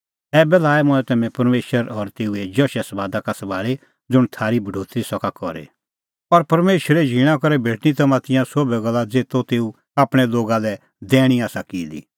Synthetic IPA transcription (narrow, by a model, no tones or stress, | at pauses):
ɛːbɛlaːɛmʊ̃ɛ̃t̪ɛmɛ̃pɐɾmeːʃəɾɔɾt̪eːued͡ʒɔʃɛsɐbaːd̪akasɐʋaːle | d͡zʊɽ̃t̪ʰaːɾibʱɐɖʱoːt̪ɾisɔkakɔɾḛ | ɔɾpɐɾmeːʃəɾɛd͡ʒʱiɽ̃ãkɔɾɛbʱeːʈnit̪ɐmãt̪ɪ̃jãsobɛɡɐlːad͡zeːt̪ot̪eːu | aːpɽ̃ɛloːɡalɛ | d̪ɛːɽ̃iaːsakiːlḭ